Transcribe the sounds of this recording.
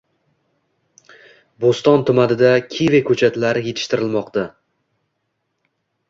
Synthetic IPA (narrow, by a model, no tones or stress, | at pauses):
bost̪ɒnt̪ʰʊmanɪd̪akʲʰivekʰɵt͡ʃʰat̪laɾɪje̞t̪ʰɪ̥ʃt̪ɪɾɪlmɒqt̪a